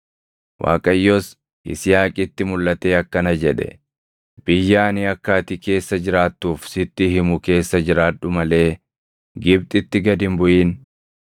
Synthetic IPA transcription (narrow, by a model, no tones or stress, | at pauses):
wʔa̰ːkʼɐjːos | ʔɪ̰sɪjaːkʼɪt̪ːɪmʊlːɐt̪e̞ːɐkːɐnɐd͡ʒɛᶑɛ̰ | b̥ɪjːaːnɪɐkːaːt̪ɪke̞ːsːɐd͡ʒɪɾaːt̪ːuːfsɪt̪ːɪhɪmʊke̞ːsːɐd͡ʒɪɾaːᶑʊmɐle̞ː | ɡɪb̚t̪ʼɪt̪ːɪɡɐd̪ɪmbʊʔiːn